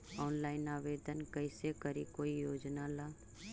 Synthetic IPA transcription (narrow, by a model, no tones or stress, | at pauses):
ɔːnlaːɪnaːʋeːd̪ənkəɪsekəɾikoːijoːd͡ʒnalaː